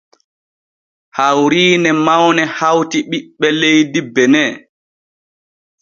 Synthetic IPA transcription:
hawɾiːnɛmawnɛhawtiɓiɓːɛlejdibɛnɛː

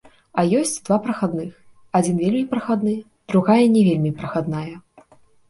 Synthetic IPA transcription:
ɐjɔsʲt͡sʲd̪vapɾɐxad̪nɨx | ad͡zʲinvʲelʲmʲipɾɐxad̪nɨ | d̪̥ɾuɣajɐnʲɛvʲelʲmʲipɾɐxad̪najɐ

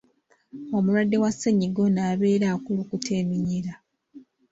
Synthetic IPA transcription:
omulwadːe̞wasːeɲiɡo̞naːβe̞ːɾaːkulukutʰeːmiɲiɾa

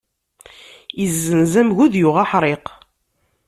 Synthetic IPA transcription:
izːənzæmʝuðjʊʁaħɾˤeq

